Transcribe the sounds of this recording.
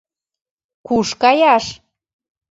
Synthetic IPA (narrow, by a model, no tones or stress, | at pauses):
kuʃkɑjɑʃ